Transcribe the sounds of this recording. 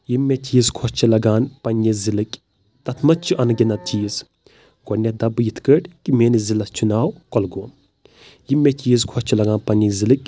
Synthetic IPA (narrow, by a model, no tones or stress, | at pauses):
jimːet͡ʃiːzkʰɔst͡ʃʰɐlɐɡaːnpɐnʲːizilɨkʲ | t̪ɐt̪ʰmɐt͡ʃʰuʔɐnɐɡʲɛnɐt͡ʃiːz | ɡ̥ɔnʲɐd̪ɐbɨjit̪ʰkəʈʲkimeːnizilɐst͡ʃʰunaːwkɔlɡoːn | jimʲːet͡ʃiːzkʰɔt͡ʃʰɐlɐɡaːnpɐnʲːizilɨkʲ